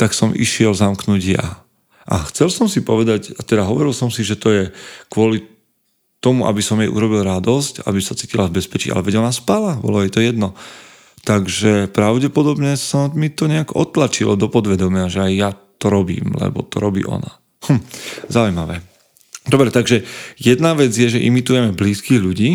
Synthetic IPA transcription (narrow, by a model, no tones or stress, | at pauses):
t̪aksɔmʔḭʃɪɛlzamknuɟja̰ | ʔaxt͡sɛlsɔmsipɔʋɛd̪acat̪ɛd̪aɦɔʋɔɾilsɔmsiʒɛt̪ɔjɛkʋʊɔli | t̪ɔmuʔa̰bisɔmjɛʔṵɾɔbilɾad̪ɔsca̰bisat͡siːcilavbɛspɛt͡ʃḭːa̰lɛʋɛɛnaspalabɔ̰lɔjɛt̪ɔjɛd̪nɔ | t̪aɡʒɛpɾaʊɟɛpɔd̪ɔbɲɛsɔmit̪ɔɲɛaɡɔ̰t̪lat͡ʃilad̪ɔpɔd̪ʋɛd̪ɔmɪaʒɛajːat̪ɔɾɔbḭːmlɛ̰bɔ̰t̪ɔɾɔbḭːʔɔ̰na̰ | h̩zaujmaʋɛː | d̪ɔbɾɛt̪aɡʒɛjɛd̪naʋɛd͡zjɛʒɛʔimit̪ujɛmɛbliːskiːɣʎuɟiː